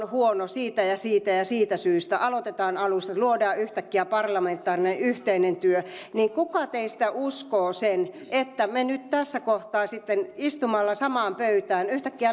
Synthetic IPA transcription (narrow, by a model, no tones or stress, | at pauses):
huonosiːt̪æjɑsiːt̪æjɑsiːt̪æsyːst̪æʔɑlot̪et̪ɑːnɑlust̪ɑluodɑːyht̪ækːiæpɑrlɑment̪ːˑɑːrinenyht̪einent̪yøniːŋkukɑt̪eist̪æuskoːsen | ʔet̪ːæmenyt̪t̪æsːækoht̪ɑːsit̪ːenist̪umɑlːɑsɑmɑːmpøyt̪æːnyht̪ækːiæ